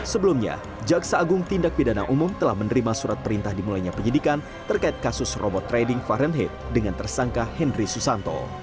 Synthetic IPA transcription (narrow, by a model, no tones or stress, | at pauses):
səbəlumɲa̰ | d͡ʒaksaːɡʊŋt̪indak̚pidanaʔumʊmt̪əlahmənəɾimasuɾat̪̚pəɾint̪ahdimulajɲapəɲidikan | t̪ərkait̪̚kasʊsrɔbɔt̪ːɾedɪŋfaɾənɦɛt̪̚dəŋant̪ərsaŋkahɛndrisusant̪ɔ̰